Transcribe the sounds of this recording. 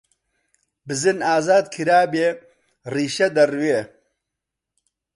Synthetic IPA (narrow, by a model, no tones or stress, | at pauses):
bɨzɨnaːzaːd̪̚kʰɨɾaːbeː | riːʃɐd̪ɐrweː